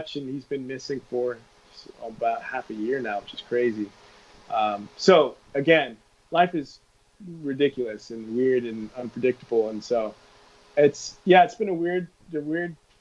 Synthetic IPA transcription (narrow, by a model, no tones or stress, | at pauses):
kʃɨ̃nhizbɨ̃nmɪsɪ̃ŋfə˞ | ə̰baʊt̚hæfɨjɪɹnaʊwɨt͡ʃɨz̥kʰɹ̥eɪzi | ʔʌ̃msoʊ | ɨɡɛ̃n | laɪfɨz | ɹɨdɪkjl̩ˠɨsɨ̃nwɪɹɾɨ̃nʌ̃npʰɹ̥ɨdɪk̚təbl̩ˠə̃nsoʊ | ɪtsjæɨtsb̥ɨ̃nəwɪɹd̚ | ɨwɪɹd̚